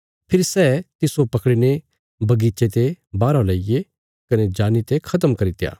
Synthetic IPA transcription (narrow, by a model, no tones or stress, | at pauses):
pʰɪɾsɛːt̪ɪsopɐkɽine | bɐɡiːt͡ʃet̪ebaːɾõlaːije | kɐned͡ʒaːnit̪ekʰɐt̪əmkɐɾit̪ja̰ː